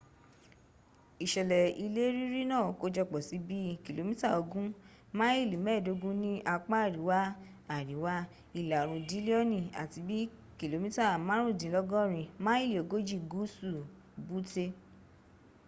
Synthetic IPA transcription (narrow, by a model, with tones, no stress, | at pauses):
i˨ʃɛ˨lɛ˨i˧le˦ɾi˦ɾi˦nãː˦˨ko˧˦d͡ʒɔ˧k͡pɔ˨si˨˦bi˦ki˨lo˨mĩ˦ta˦˨o˧ɡũ˦ | mãː˦i˦˨li˨mɛː˦˨do˨˧˦ɡũ˦nĩ˦ʔa˧k͡pa˦a˦˨ɾi˨˦wa˦ | a˨ɾi˨˦wa˦ | i˧˨la˨ɾ̃ũ˨di˨˦le˦ɔ˦nĩ˧˨a̰˨ti˧bi˦ | ki˨lo˨mĩ˦ta˦˨mã˦ɾ̃ũ˦˨dĩ˨˦lɔ˦ɡɔ̃˦˨ɾ̃ĩ˧mã˦i˦˨li˨o˨ɡo˦d͡ʒi˦˨ɡu˨˦su˦˨ | bu˨˦te˧